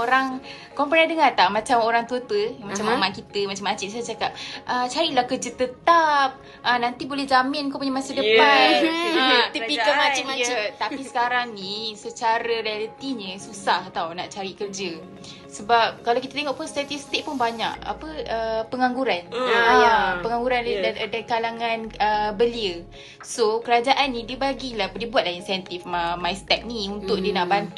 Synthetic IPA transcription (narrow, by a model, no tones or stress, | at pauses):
oɾaŋ | kɔmpɾandəŋart̪aʔmat͡ʃamoɾaŋt̪uət̪əmat͡ʃamamankit̪əmat͡ʃamːat͡ʃɪt̪̚at͡ʃakap̚ʔət͡ʃaɾiʔlahkərd͡ʒət̪ət̪ap̚ | ʔənant̪ibolɛhzamɪnkopuɲamasədəpanət̪ipikamat͡ʃiaət̪apisə̥kaɾaŋnisət͡ʃaɾəɾialət̪iɲəsusaht̪awna̰ʔt͡ʃaɾiʔkərd͡ʒə | səbap̚kalawkit̪at̪eŋɔʔpʊnst̪ɛt̪ist̪ik̚pʊnbaɲa̰ʔa̰pəʔəpəŋaŋɡuɾanjapəŋaŋɡuɾandakalaŋãnəbəliə | sokəɾad͡ʒaʔanːĩdiəbaɡilahdiəbuat̪̚lahinsɛnt̪ifəmajst̪ɛk̚niunt̪ʊk̚diənaʔbant̪